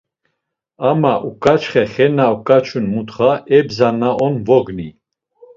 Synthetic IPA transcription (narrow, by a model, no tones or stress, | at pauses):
amaʔukʼat͡ʃχɛχɛnaukʼat͡ʃʰunmut̪χaɛbzanaʔɔnvɔɡni